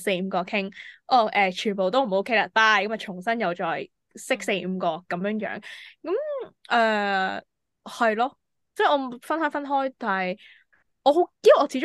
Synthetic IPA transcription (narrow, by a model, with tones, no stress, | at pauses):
se˧jm̩˧kɔː˧kʰɪ˥ŋʔɔː˧˩ʔɛː˨t͡ʃʰyː˨˩npo˨wt̪o˥wm̩˨˩˥kʰe˥jlaː˨˧˩t̪aː˥˩jkɐ˨˥mɐ˨t͡ʃʰʊ˨˩ŋsɐ˥njɐ˨wt͡ʃɔː˨j | sɪ˥k̚se˧jm̩˧kɔː˧kɐ˨˧˥mjœː˧˥ŋjœ̰ː˨˥ŋkɐ˨˦mʔɛː˧ | hɐ˨jlɔː˥ | t͡sɛː˥˩ʔɔː˨˧m˨fɐ˥nɦœː˨˥fɐ˥nɦɔː˥jt̪aː˨˩hɐ˨j | ʔɔː˨˧ɦo˨˥kiː˥ʔɔː˨˧t͡sʰiː˨˧˥t͡ʃʊ˥